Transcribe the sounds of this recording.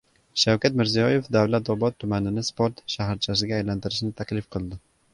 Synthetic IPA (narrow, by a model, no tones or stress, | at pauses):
ʃawkʲat̪mɪɾzijɒje̞fd̪awlat̪ɒbɒt̪ʰːʊmanɪnɪspoɾt̪ʃaɦɾt͡ʃʰasɪɡʲaːjlant̪ɪɾɪʃnɪt̪ʰakʲlɪfqʰɨlˠd̪ɪ